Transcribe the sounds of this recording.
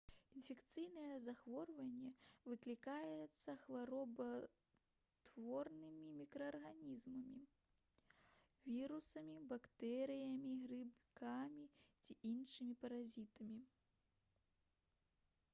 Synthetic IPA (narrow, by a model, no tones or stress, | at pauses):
infʲɛkt̪sɨjnɐjɛzaxvɔrvɐnʲːɛvɨklʲikajɛt̪sːɐxvaɾɔbɐ | t̪vɔrnɨmʲimʲikɾɐːrɣanʲizmɐmʲi | vʲiɾusɐmʲibakt̪ɛɾɨjɐmʲiɣrɨbkamʲit͡sʲiʔinʂɨmʲipɐɾazʲit̪ɐmʲi